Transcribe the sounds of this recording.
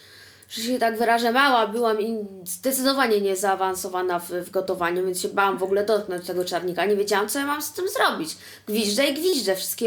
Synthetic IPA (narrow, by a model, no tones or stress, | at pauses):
fʂɛɛt̪aɡvɘɾaʐamawabɘwamizd̪ɛt̪sɘd̪ɔvaɲɛɲɛzaːvansɔvanavvɡɔt̪ɔvaɲuvʲjɛnsɕɛbawamvɔɡulɛd̪ɔt̪̚knɔɲt͡ɕt̪ɛɡɔt͡ʂaɾɲikaɲɛvʲjed͡ʑawamt̪ɔjamamst̪ɘmzɾɔbʲit͡ɕ | ɡ̥vʲiʐdaiɡvʲiʐdɛfʂɘ̥st̪kʲɛ